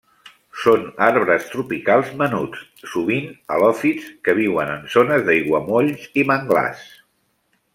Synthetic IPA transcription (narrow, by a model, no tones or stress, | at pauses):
sonaɾβɾəst̪ɾupikalˠzmənut͡s | suβinə̰lɔfit͡skəβ̞iwənənzonəzðəiɣwəmoʎziməŋɡla̰s